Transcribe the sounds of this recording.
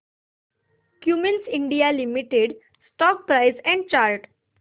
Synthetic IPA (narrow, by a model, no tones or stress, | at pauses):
kjumensĩɳɖijalimiʈeɖ | sʈɔk̚pɾaɪsɛ̃ɳɖ̚t͡ɕaɾʈ